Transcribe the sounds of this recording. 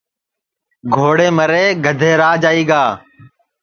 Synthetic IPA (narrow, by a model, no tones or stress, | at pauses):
ɡʱoːɽeːməɾeːɡʱəd̪ʱeːɾaːd͡ʒaːiːɡaː